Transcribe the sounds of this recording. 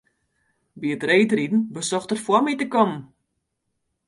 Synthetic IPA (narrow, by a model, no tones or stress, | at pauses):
biətrejtridn̩bəsɔxtərfwɔmitəkɔm